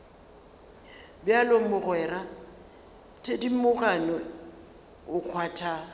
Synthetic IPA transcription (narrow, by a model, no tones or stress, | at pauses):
bjalomʊɣwɛːra | tʰedim̩mʊkʼanɔ | ʊk͡xʰwaːtʰa